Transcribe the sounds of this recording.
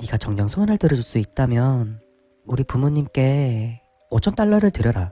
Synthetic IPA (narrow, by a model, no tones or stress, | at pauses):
ɲiɡat͡ɕʌŋɲʌŋsʰonɯɭtɯɾʌd͡ʑuɭs͈uit̚t͈amjʌn | uɾipumuɲːimk͈e̞ | ot͡ɕʰʌnt͈aɭːʌɾɯɭtɯɾjʌɾa